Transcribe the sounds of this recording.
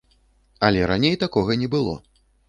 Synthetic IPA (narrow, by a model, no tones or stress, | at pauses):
ɐlʲɛɾanʲejt̪akɔɣɐnʲɛbɨlˠɔ̰